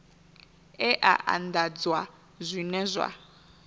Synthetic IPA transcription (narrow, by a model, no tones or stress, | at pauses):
ɛʔa̰ʔa̰ndad͡zwa | zʷinɛzʷa̰